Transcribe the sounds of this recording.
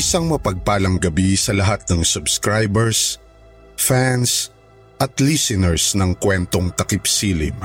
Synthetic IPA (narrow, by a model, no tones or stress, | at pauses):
ʔɪsaŋmɐpɐɡ̚paːlɐŋɡɐbisɐlɐɦat̪̚nɐŋsʊbskɹajbɛɹs | fans | ʔɐt̪lisɪnɛɹsnɐŋkwɛnt̪o̞ŋt̪ɐkɪpsiːlɪ̰m